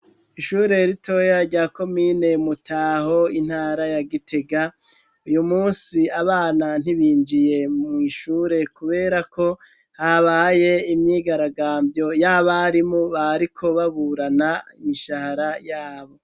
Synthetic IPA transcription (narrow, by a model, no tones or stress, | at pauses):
iʃuːɾe̞ɾitʰo̞jaɾɟaːko̞mine̞mutʰaːho̞in̥haːɾajaɡitʰe̞ɡa | ujumuːnsiaβaːnan̥iβiːnd͡ʒije̞mŋiʃuːɾe̞kuβe̞ːɾakʰo̞ | haβaːje̞imɲiːɡaɾaɡaːmbjo̞jaːβaɾimoβaɾikʰo̞βaβuɾanaimiʃahaɾajaːβo̞